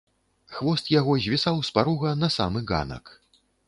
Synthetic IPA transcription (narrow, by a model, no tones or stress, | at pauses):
xvɔst̪jaɣɔzʲvʲisawspaɾuɣɐnɐsa̰mɨɣa̰nɐ̰k